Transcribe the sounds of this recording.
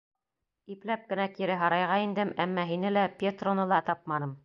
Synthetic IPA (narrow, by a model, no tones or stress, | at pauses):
iplæp̚kɘ̆nækiɾɘɦɑɾɑjʁɑind̪ɘmæmːɑɦinɘlæpʲet̪ronɤlˠɑt̪ɑp̚mɑnɤm